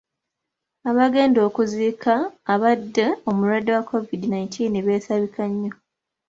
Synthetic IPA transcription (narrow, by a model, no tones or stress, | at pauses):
aβaɡe̞ːndo̞ːkuziːkʰaːβadːeo̞muɾwadːewakʰːo̞vidinajintʰiːneβe̞ːsaβikʰaɲːo̞